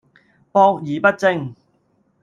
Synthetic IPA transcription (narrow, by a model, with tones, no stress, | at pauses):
pɔː˧k̚jiː˨˩pɐ˥t̚t͡sɪ˧ŋ